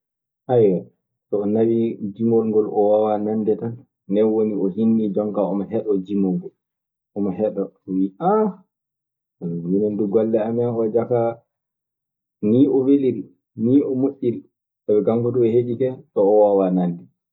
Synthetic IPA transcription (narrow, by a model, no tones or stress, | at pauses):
ʔajwa | tɔːnawid͡ʒimɔlŋɡɔlʔɔ̰wawanandɛtanː | dɛnwoniɔhinːid͡ʒɔŋkaɔmɔɦɛɗɔd͡ʒimɔŋɡɔl | ɔmɔɦɛɗɔɔwiʔa | minɛnduɡɔlːɛamanɔd͡ʒaka | niːɔweliɾ | niːɔmuɗːil | sawɛɡaŋɡuɗuɛheɗikɛɗɔːwawanandɛ